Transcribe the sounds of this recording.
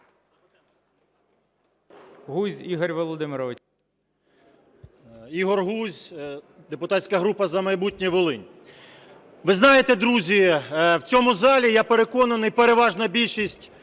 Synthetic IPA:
ɦuzʲiɦɔrʲʋɔlˠɔd̪ɪmɪɾɔʋɪ | iɦɔrɦuzʲ | d̪epʊt̪ɑtʲsʲkɐɦɾupɐzɐmɐjbutʲnʲiʋɔlˠɪnʲ | ʋɪznɑjet̪ɛd̪ɾuzʲiwt͡sʲɔmʊzɑlʲijapeɾekɔnɐnɪjpeɾe̞ʋɑʒnɐbʲilʲʃisʲtʲ

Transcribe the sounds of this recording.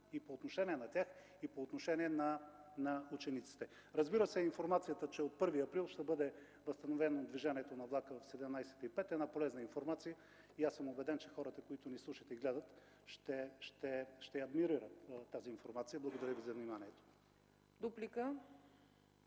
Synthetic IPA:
ipoːt̪noʃɛniɛnɐt̪ʲax | ipoːt̪noʃɛniɛnɐnɐut͡ʃɛnit̪si̥t̪ɛ | ɾɐzbiɾəsɛinfoɾmat̪sijət̪ət͡ʃɛot̪̚pɤɾviɐpɾilˠʃt̪ɛbɤd̪ɛ | vɐst̪ɐnovɛnod̪viʒaniɛt̪onɐvlˠakəvɐfsɛd̪ɛmnajsɛ̥t̪ipɛt̪ɛd̪napolɛznəinfoɾmat̪sijə | iasəmobɛd̪ɛnt͡ʃɛxɔɾət̪əkoit̪ʊnislˠuʃət̪ɛiɡlɛd̪ət̪ | ʃt̪ɛʃt̪ɛʃt̪ɛɐd̪miɾiɾət̪t̪ːaziːnfoɾmat̪sijəblˠɐɡod̪ɐɾʲəvizɐvnimaniɛt̪o̥ | d̪uplikə

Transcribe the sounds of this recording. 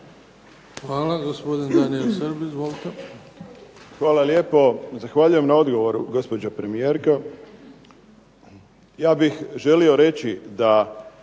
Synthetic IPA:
xʋaːlaɡospod̪ind̪anielsəɾbizʋolit̪e | xʋaːlalje̞ːpo̞zaxʋaːʎuje̞mnao̞d̪ɡo̞ʋo̞ɾuɡo̞spo̞d͡ʑapɾe̞mijeːɾka | jaːbixʒe̞lio̞ɾe̞t͡ɕid̪a

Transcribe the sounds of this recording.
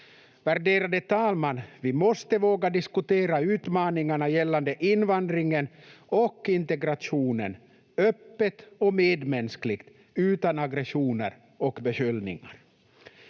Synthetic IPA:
væɾɖeːɾad̪ət̪ʰɑːlmanvɪmɔst̪əvoːɡad̪ɪskɵt̪eːɾaʉ̟ːt̪mɑːnɪŋaɳajɛlːand̪əʔɪnːvand̪ɾɪŋənɔkːɪnt̪ɛɡɾat̪ʂuːnən | œpːət̪ɔmeːd̪mɛnsklɪɡt̪ | ʉ̟ːt̪anaɡɾɛʂuːnə̰ɾ | ɔkbɛɕʏlnɪ̰ŋa̰ɾ

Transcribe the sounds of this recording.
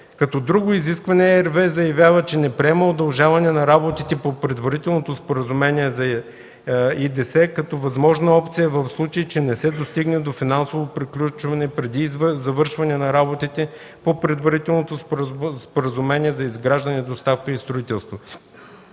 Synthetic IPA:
kɐt̪ɔd̪ɾuɡʊiziskvɐnɛɛɾvɛzɐjɐvʲjavət͡ʃɛnɛpɾiɛməod̪ɐlˠʒavɐnɛnɐɾabot̪it̪ɛpopɾɛd̪vɐɾit̪ɛlˠnot̪ospoɾəzumɛniɛzɐ | id̪ɛsɛkɐt̪ɔvɐzmɔʒnɐɔpt̪sijɐvɐfslˠut͡ʃɐit͡ʃɛnɛsɛd̪ost̪iɡnɛd̪ofinansovopɾiklʲut͡ʃvɐnɛpɾɛd̪izvzɐvɤɾʃvɐnɛnɐɾabot̪it̪ɛ | popɾɛd̪vɐɾit̪ɛlˠnot̪osspoɾəzumɛnʲiɛzɐizɡɾaʒd̪ɐnɛd̪ost̪afkəist̪ɾʊit̪ɛlˠst̪vo

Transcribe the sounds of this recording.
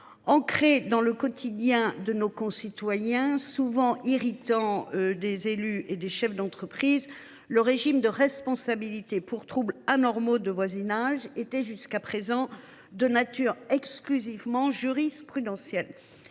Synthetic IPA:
ɑ̃kχed̪ɑ̃ləkɔt̪ʰid̪jɛ̃d̪ənokɔ̃sit̪wajɛ̃suvɑ̃ʔiʁit̪ɑ̃ød̪ezelyʔed̪eʃɛfd̪ɑ̃t̪χəpχiz | ləʁeʒimd̪əʁɛspɔ̃sabilit̪epuʁt̪χublanɔʁmod̪əvwazinaʒet̪ɛʒyskapχezɑ̃ | d̪ənat̪yːʁɛksklyzivmɑ̃ʒyʁispχyd̪ɑ̃sjɛl

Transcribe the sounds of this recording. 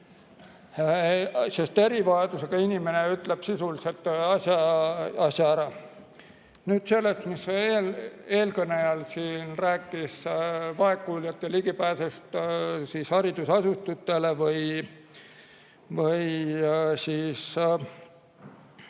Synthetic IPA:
se̞st̪e̞ɾivɑed̪̥use̞ɡ̥ɑinimeneyt̪le̞b̥sisulise̞lt̪ɑsjɑɑsʲjɑæɾɑ | nyːd̪̥se̞lːe̞st̪misele̞ːlkɤnejɑlsiːnræːkːˑisvɑe̞kːˑuljɑt̪ːˑeliɡ̥ipæːsest̪siːshɑɾid̪usɑsut̪ut̪ːˑe̞levɯj | vɯj | siːs

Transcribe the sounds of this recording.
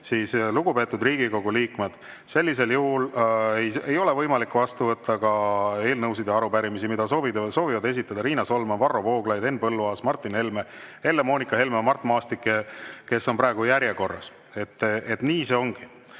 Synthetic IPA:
siːsluɡ̥upe̞ːt̪ːˑud̪riːɡ̥iko̞ɡ̥uliːkme̞d̪̥ | se̞lʲːise̞ljuɦuleje̞jo̞lɛ̞vɤjmɑlikːvɑst̪uvɤt̪ʰːɑkɑe̞ːlnɤwsid̪jɑɑɾupæɾimisimid̪̥ɑso̞ːvid̪so̞ːvivɑd̪e̞sit̪ːˑɑd̪̥ɑɾiːnɑso̞lmɑnvɑro̞vo̞ːɡ̥lɑjd̪e̞npɤlːuɑːsmɑrt̪ːˑinhe̞lmehe̞lːemo̞ːnikːˑɑɦe̞lmemɑrt̪ːˑmɑːst̪ikːˑeke̞sːo̞npɾɑˑeɡujæɾʲjeko̞rːɑ̰s | e̞t̪ːet̪niːse̞o̞ŋɡ̥i

